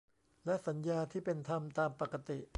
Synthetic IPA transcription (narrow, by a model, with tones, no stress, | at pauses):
lɛ˦˥ʔsa˩˦njaː˧t̪ʰiː˥˩pe˧nt̪ʰa˧mt̪aː˧mpa˨˩ka˧t̪i˨˩ʔ